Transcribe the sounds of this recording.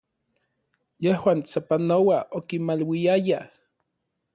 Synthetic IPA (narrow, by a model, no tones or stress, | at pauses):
jehwaːnt͡sapanowaʔokimalwiaja